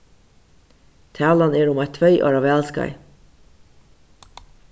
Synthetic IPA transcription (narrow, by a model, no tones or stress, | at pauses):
t̪ʰæːlɑneːɾʊmæɪt̪ʰʋœʏʔɑ̰ːɾɑʋæːlskɑ̰ɪ